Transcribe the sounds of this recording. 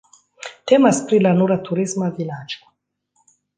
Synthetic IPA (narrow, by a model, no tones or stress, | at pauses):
tɛmaspɾilanuɾat̪ʰuɾizmavilad͡ʒɔ̥